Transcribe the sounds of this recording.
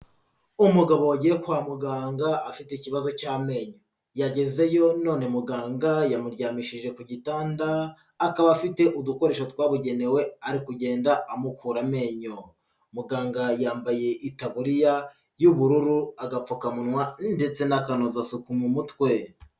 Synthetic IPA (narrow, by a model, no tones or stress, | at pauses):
umuɡaβo̞aɟiɾekwaːmuɡaːŋɡaːfiteiciβazo̞caːme̞ːɲo | jaɟe̞ze̞jo̞no̞ːne̞muɡaːŋɡajamuɾɟaːmiʃiʒe̞kuɟitaːndaː | kaβafite̞ʔuduko̞ɾe̞ːʃotwaːβuɟe̞ne̞we̞aɾikuɟe̞ːndaamukuːɾame̞ːɲo̞ | muɡaːŋɡajaːmbaje̞ʔitaβuɾija | juβuɾuɾuaɡap͡fokamunwande̞t͡se̞nakano̞zasukumumutwe̞